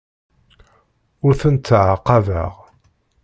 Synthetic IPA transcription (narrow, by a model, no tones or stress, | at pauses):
ʊɾθənt̪ːʕaqːɑvə̰ʁ